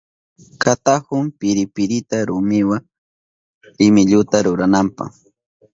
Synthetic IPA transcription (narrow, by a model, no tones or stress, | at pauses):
kat̪akʊmpɪɾɪpɪɾɪt̪aɾʊmɪwaŋ | ɾɪmɪʎʊt̪aɾʊɾanampa̰χ